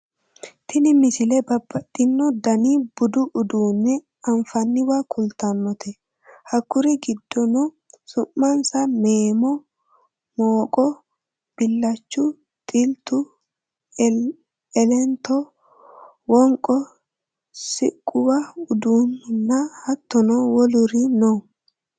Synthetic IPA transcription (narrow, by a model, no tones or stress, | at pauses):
t̪ʰɪnɪmɪsɪlɛbɐbːɐt̪ʼːɪnːɔd̪ɐniːb̥ʊd̪ʊʔʊd̪uːnːɛ | ɐɱfɐnːɪwakʰʊlt̪ɐnːɔt̪ʰɛ | hɐkːʊɾɪɡɪd̪ːɔnɔ | sʊʔːɐnsɐmeːmɔ | moːkʼɔ | b̥ɪlːɐt͡ʃːʊ | t̪ʼɪlt̪ʊ | ɛlɛnt̪ɔ | wɔŋkʼɔ | sɪ̰kʼːʊwɐʊd̪uːnnːɐhɐt̪ːɔnɔwɔlʊɾinɔ